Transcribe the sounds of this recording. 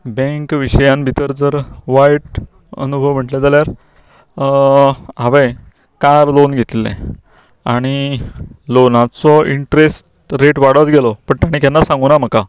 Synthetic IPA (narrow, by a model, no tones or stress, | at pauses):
bẽŋkʋiɕəjãnbʱit̪əɾd͡zəɾʋajʈ | ə̰nubʱəʋm̤əʈled͡zaljaɾ | ɦaʋe | kaɾlonɡʱet̪ilḛ̃ | aɽ̃i | lonat͡sɔiɳʈɾesʈ | ɾeʈʋaɽət̪ɡelɔpəɳʈ̪aɽ̃ikjanːasãŋɡunam̤əka